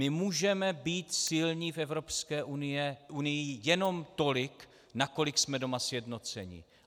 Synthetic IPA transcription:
mɪmuːʒɛmɛbiːt̪sɪlɲiːfɛvɾo̞pskɛːʔunɪɛʔunɪjɪjɛno̞mt̪o̞lɪk | nako̞lɪksmɛdo̞masjɛdno̞t͡sɛ̰ɲɪ̰

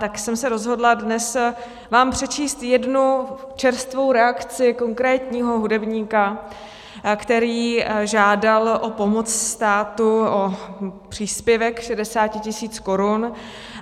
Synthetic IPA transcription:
t̪aksɛmsɛɾo̞zɦo̞dladnɛs | vaːmpr̥ɛt͡ʃiːst̪jɛdnut͡ʃɛɾst̪vo̞wɾɛakt͡sɪko̞ŋkɾɛːt̪ɲiːɦo̞ɦudɛbɲiːka | kt̪ɛɾiːʒaːdalʔopo̞mo̞t͡sst̪aːt̪uʔopr̝̥iːspjɛvɛkʃɛdɛsaːcɪcɪsiːt͡sko̞ɾun

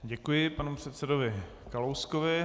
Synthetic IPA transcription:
ɟɛkujɪpanupr̝̥ɛt̪sɛdovɪ | kalowskovɪ

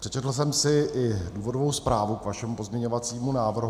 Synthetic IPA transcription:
r̥ɛt͡ʃɛt̪l̩s̬ɛmsɪɪduːvo̞dovo̞wspɾaːvukvaʃɛmupo̞zmɲɛɲo̞vat͡siːmunaːvr̩ɦ

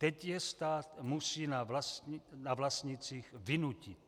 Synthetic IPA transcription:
t̪ɛcjɛst̪aːt̪musiːnalasinavlast̪ɲit͡siːxvɪnucit̪

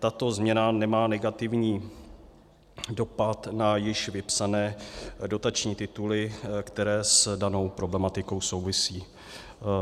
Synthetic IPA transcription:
t̪at̪o̞zmɲɛnanɛmaːnɛɡat̪ɪvɲiː | do̞pat̪najɪʃvɪpsanɛːdo̞t̪at͡ʃɲiːt̪ɪt̪ulɪkt̪ɛɾɛːsdano̞wpɾo̞blɛmat̪ɪko̞wso̞wvɪsiː

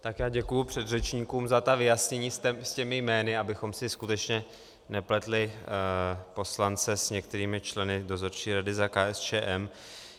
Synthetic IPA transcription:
t̪akjaːɟɛkujupr̝̥ɛd̪rɛt͡ʃɲiːkuːmzat̪avɪjasɲɛɲiːɛscɛmɪjmɛːnɪabɪxo̞msɪskut̪ɛt͡ʃɲɛ | nɛplɛt̪lɪ | po̞slant͡sɛsɲɛk̚t̪ɛɾiːmɪt͡ʃlɛnɪdo̞zo̞ɾt͡ʃiːɾadɪzakaːʔɛst͡ʃɛːʔɛm

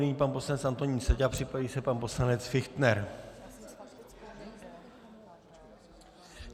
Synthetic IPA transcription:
iɲiːpanpo̞slanɛt͡sʔant̪o̞ɲiːnsɛɟapr̝̥ɪpaviːsɛpanpo̞slanɛt͡sfɪxt̪nɛɾ

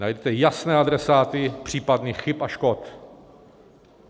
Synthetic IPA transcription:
najdɛt̪ɛjasnɛːʔad̪ɾɛsaːt̪ɪpr̝̥iːpadniːxxɪpaʃkot̪

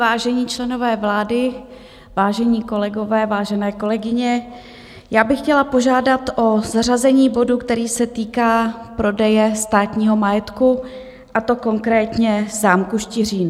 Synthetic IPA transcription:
vaːʒɛɲiːt͡ʃlɛno̞vɛːvlaːdɪ | vaːʒɛɲiːko̞lɛɡo̞vɛːvaːʒɛnɛːko̞lɛɡɪɲɛ | jaːbɪxcɛlapo̞ʒaːdat̪ʔo̞zarazɛɲiːbo̞dukt̪ɛɾiːsɛt̪iːkaːpɾo̞dɛjɛst̪aːt̪ɲiːɦo̞majɛt̪ku | ʔat̪o̞ko̞ŋkɾɛːt̪ɲɛzaːmkuʃt̪ɪr̝iːn

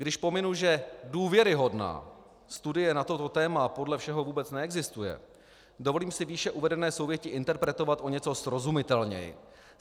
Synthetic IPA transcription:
ɡdɪʃpo̞mɪnuʒɛduːvjɛɾɪɦo̞dna̰ː | st̪udɪjɛnat̪o̞t̪o̞t̪ɛːmapo̞dlɛfʃɛɦo̞vuːbɛt͡snɛɛɡzɪst̪ujɛ̰ | dovo̞liːmsɪviːʃɛʔuvɛdɛnɛːso̞wvjɛcɪʔɪnt̪ɛɾpɾɛt̪o̞vat̪ʔo̞ɲɛt͡so̞sɾo̞zumɪt̪ɛlɲɛ̰jɪ̰

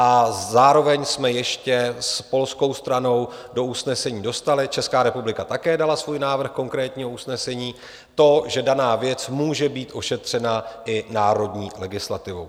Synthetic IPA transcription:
ʔazaːɾo̞vɛɲsmɛjɛʃcɛspo̞lsko̞wst̪ɾano̞wdo̞usnɛsɛɲiːdo̞st̪alɪt͡ʃɛskaːɾɛpublɪkat̪akɛːdalasvuːjnaːvr̩xko̞ŋkɾɛːt̪ɲiːɦo̞usnɛsɛɲiː | t̪o̞ʒɛdanaːvjɛt͡smuːʒɛbiːt̪ʔo̞ʃɛt̪r̝̥ɛnaʔɪnaːɾo̞dɲiːlɛɡɪslat̪ɪvo̞̰w

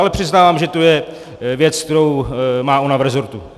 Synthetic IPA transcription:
alɛpr̝̥ɪznaːvaːmʒɛt̪o̞jɛ | vjɛt͡sk̚t̪ɛɾowmaːonavɾɛzo̞ɾt̪u

